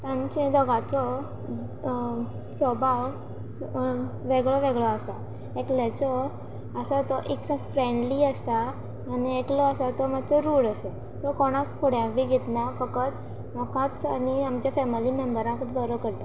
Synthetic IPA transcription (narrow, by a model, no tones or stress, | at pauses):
t̪ãɲt͡ɕẽd̪ɔɡãt͡sɔ | sɔbʱaw | ʋeɡɭɔʋeɡɭɔasa | eklet͡sɔ | əsat̪ɔʔeksãfɾeɳɖliəst̪aː | nieklɔəsat̪ɔmad̪t͡sɔɾuːɽəse | t̪ɔkɔɽ̃ãkkʰoɽjãʋiɡʱet̪nafəkət̪ | mɔkãt͡saniamt͡ɕjafɛmilimembəɾãkət̪b̪əɾəkəɾt̪a